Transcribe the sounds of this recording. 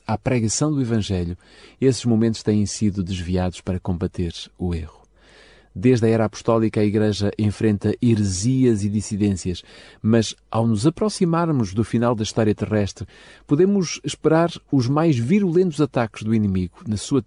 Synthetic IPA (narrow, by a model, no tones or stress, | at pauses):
apɾɛɣɐsɐ̃w̃d̪uivɐ̃ʒɛʎu | esʒ̥mumẽnt̪uʃt̪ɐ̃jẽj̃siðud̪ɨʒviaðuʃpɐɾɐkõmbɐt̪eɾueʁu̥ | d̪eʒðɐɛɾapu̥ʃt̪ɔlˠikɐɐiɣɾɛʒɐʔẽfɾẽnt̪ɐʔɨɾɨziɐziðisiðẽsjɐʃmɐʃa̰wnuzɐpɾɔsimaɾmuʒðufinalˠd̪ɐiʃt̪ɔɾiɐt̪ɨʁɛʃt̪ɾ | puðemuʃʃpɨɾaɾuʒmajʒviɾulˠẽnt̪uzɐt̪akʒðuinɨmiɣunɐsuɐ